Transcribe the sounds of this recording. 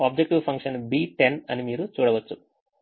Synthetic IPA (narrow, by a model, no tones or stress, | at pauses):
aːb̚d͡ʒek̚ʈiʋpʰɐŋkʂɐnbiːʈenɐnimiːɾut͡ʃuːɽɐʋɐt͡ʃːu